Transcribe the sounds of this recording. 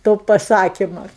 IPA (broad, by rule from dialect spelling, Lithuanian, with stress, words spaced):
toː pɐˈsɑːkʲɪmɐ